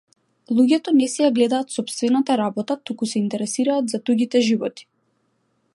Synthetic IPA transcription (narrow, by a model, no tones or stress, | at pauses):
lˠuɟʲɛt̪ɔnɛsɛjaɡlɛd̪aːt̪sɔpst̪vɛnat̪aɾabɔt̪at̪ukusɛint̪ɛɾɛsiɾaːt̪zad̪uɡit̪ɛʒivɔt̪i̥